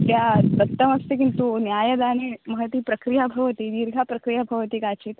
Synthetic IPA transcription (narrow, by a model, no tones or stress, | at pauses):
t̪jabət̪ːəməst̪ekint̪unjajəd̪añiməɦət̪iːpɾəkɾijabʱɐʋət̪iːd̪iɾɡʱapɾəkɾijabʱɐʋət̪iːkat͡ɕiːt̪